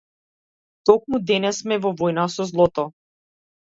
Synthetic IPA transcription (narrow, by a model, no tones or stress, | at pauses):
t̪ɔk̚mud̪ɛnɛsmɛvɔvɔjnasɔzlˠɔt̪ɔ